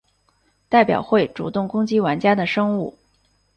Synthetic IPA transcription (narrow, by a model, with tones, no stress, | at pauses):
t̪a˥˩ɪpjɑ̰˨˩ʊxwe˥˩ɪʈ͡ʂu˨˩t̪ʊ˥˩ŋkʊ˥ŋt͡ɕi˥wa˧˥nt͡ɕja˥d̪ə˨ʂɤ˥ŋu˥˩